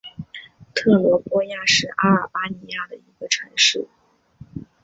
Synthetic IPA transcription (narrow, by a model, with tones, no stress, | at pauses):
t̪ʰɤ˥˩lwɔ˧˥pwɔ˥ja˥˧ʂɻ̩˥˩ʔa˥ə˞˨˩pa˥ni˧˥ja˥˩d̪ə˩i˧˥ɡə˧ʈ͡ʂʰa˧˥ŋʂɻ̩˥˩